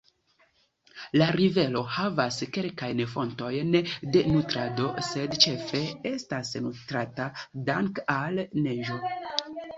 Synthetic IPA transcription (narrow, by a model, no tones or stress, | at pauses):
laɾive̞lo̞havaske̞lkajnfo̞nto̞jndenutɾado̞se̞dt͡ʃe̞fe̞e̞stasnutɾatadaŋkalne̞ʒo